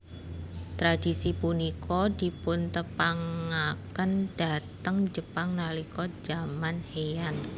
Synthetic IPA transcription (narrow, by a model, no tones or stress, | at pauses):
t̪ɾadisipunikʰɔdi̤pʊnt̪əpaŋakənd̥at̪əŋd͡ʒəpaŋnalikɔd͡ʒ̥amanhejan